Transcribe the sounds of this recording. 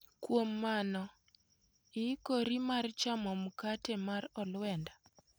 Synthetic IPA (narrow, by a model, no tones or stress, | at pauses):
kwomːanɔ | ikoɾimart͡ʃamɔmukatɛmaɾɔlwɛnda